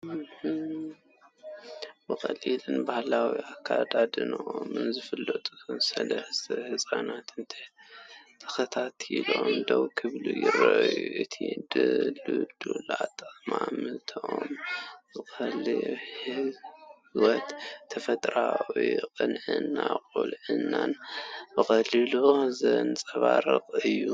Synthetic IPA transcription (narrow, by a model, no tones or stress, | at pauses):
h | bɨxʼɐlilɨnbahlawiʔakʰːad̪ad̪ɨnoʔomɨnzɨfɨlːɐt̪ʼuɨnsɐlɐsʰhɨsʼanat̪ɨnt̪ʰi̥ | t̪ʰɐ̥xɐt̪ʰat̪ʰilomd̪oβkʰɨβlujɪɾɐʔjuʔɨt̪ʰid̪ɨlɨd̪ulat̪ʼmamɨt̪ʰoʔombɨxɐlhi | wɔt̪ʰːɐfɐt̪ʼɾawiqʼɨnʕɨnːakʼulʕɨnːanbɨxɐlɨluzɐnt͡sʼɐβaɾɨqʼɨjːu